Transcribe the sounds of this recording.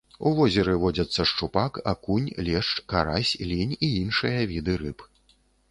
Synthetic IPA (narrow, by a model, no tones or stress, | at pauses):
uvɔzʲɛɾɨvɔd͡zʲɐt̪sːɐʂt͡ʂupaka̰kunʲlʲɛʂt͡ʂkaɾasʲlʲinʲiinʂɨjɐvʲid̪ɨɾɨp